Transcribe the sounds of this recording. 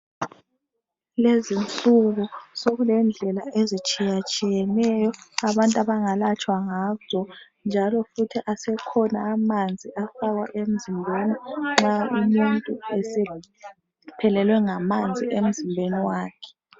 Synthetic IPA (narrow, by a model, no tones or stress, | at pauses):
lezint͡sʼuɣusoɣulɛnd͡ɮʱɛlaezit͡ʃʼijat͡ʃʼijɛnɛjɔaβantʼaβaŋalat͡ʃʼwaŋazɔ | nd͡ʒʱalɔfutʰiʔasɛkʰɔnaːmand͡zʱiʔafaɣwa̰ʔem̩zimbʱeniŋ͡ǁaumuntʼuɛsɛ | pʰɛlɛlwɛŋamand͡zʱiʔem̩zimbʱeniwaːkʰɛ̥